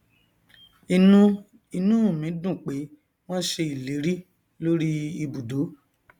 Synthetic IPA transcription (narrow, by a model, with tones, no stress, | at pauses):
i˧nũ˦ | i˧nũ˦˨mĩ˨˦dũ˦˨k͡pe˨˦ | w̃ɔ̃˦ʃe˧i˨le˨˦ɾi˦ | lo˦ɾi˦i˧bu˨do˨˦